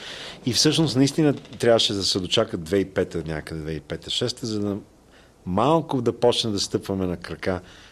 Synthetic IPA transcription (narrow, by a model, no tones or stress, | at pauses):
ifsɤʃnosnɐist̪inət̪ɾʲjavəʃɛd̪ɐsɛd̪ot͡ʃakəd̪vɛipɛt̪ənʲakəd̪ɛd̪vɛipɛt̪əʃɛst̪ɛzɐd̪ɐ | malˠkʊd̪ɐpɔt͡ʃnɛd̪ɐst̪ɤpvɐmɛnɐkɾɐka